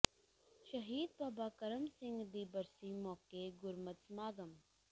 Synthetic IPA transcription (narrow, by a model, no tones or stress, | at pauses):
ʃɐɦiːd̪̚baːbaːkɐɾəmsɪ̃ŋɡd̪iːbəɾsimɔːkeɡʊɾmət̪smaːɡəm